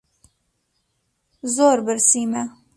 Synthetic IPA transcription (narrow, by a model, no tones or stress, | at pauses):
zoːɾbɨɾsiːmɛ